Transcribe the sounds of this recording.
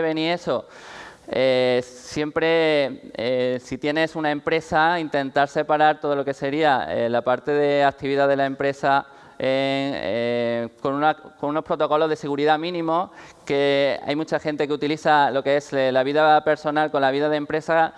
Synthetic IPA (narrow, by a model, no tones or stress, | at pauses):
eβenie̞so̞ | esje̞mpɾe̞ | esit̪je̞ne̞sunaẽ̞mpɾe̞saint̪e̞nt̪aɾse̞paɾaɾt̪o̞ð̞o̞lo̞ke̞se̞ɾiaḛlapaɾt̪e̞ðe̞ak̚t̪iβiðaðe̞lae̞mpɾe̞sa | eŋ | konunako̞nuno̞spɾo̞t̪o̞ko̞lo̞zðe̞se̞ɣ̞uɾiðamĩnĩmo̞ | ke̞a̰jmũt͡ʃaxe̞nt̪e̞keut̪iliθalo̞keeslaβ̞iðape̞ɾso̞nalko̞nlaβiðaðempɾe̞sa